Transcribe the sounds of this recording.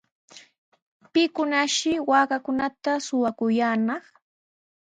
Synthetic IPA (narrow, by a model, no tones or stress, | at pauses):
pɪkʊnaʃɪwaːkakʊnat̪asʊwakʊjaːnɑχ